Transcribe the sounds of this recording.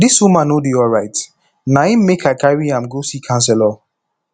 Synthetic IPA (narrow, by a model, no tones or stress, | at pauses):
diswumãnodiɔɹaɪt | nãĩmekʰaɪkaɹiãmɡosikʰãns̬ɛlɔ